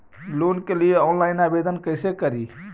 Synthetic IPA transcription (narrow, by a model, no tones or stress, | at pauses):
loːnkelɪjeɔːnlaːɪnaːʋeːd̪ənkəɪsekəɾiː